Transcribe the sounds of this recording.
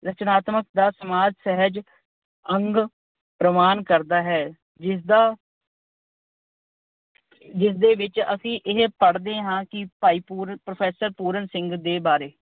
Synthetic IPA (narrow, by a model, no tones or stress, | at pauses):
ɾət͡ʃnaːt̪mək̚d̪aːsəmaːd͡ʒsɛɦəd͡ʒ | əŋɡ | pɾəmaːnkəɾd̪aːɦɛː | ɪd̪aː | d͡ʒɪsd̪eːʋɪt͡ʃə̰sĩːʔɪɦpəɽd̪ẽːɦãːkɪpaːiːpuːɾpɾəpʰɛːsəɾpuːɾənsɪ̃ŋɡd̪eːbaːɾeː